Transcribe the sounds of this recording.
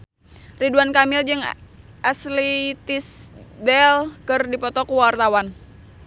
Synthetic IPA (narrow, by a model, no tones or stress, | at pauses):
riduankamɪld͡ʒɨŋʔaslit̪isdɛlkɨrdipɔt̪ɔkuwart̪awan